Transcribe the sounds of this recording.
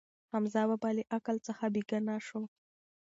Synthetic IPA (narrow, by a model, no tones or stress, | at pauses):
hamzɑwabɑleʔakalt͡səxabiɡanɑʃo